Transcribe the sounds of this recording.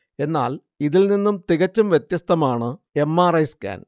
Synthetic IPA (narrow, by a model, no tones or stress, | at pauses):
e̞nːa̰ːl | iðilninːumt̪iɣɐt͡ɕːɐmʋjet̪jɐst̪ʰɐmaːɳɨe̞mːaːrɐjska̰ːn